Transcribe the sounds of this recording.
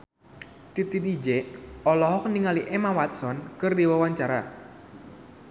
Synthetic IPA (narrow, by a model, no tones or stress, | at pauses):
t̪it̪it̪id͡ʒeɔlɔɦɔk̚niŋaliʔemawat̪̚sɔnkɨrd̪iwawaɲt͡ʃaɾa